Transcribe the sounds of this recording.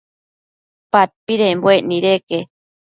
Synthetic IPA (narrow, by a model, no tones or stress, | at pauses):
pat̪̚piɾembweʔniɾeke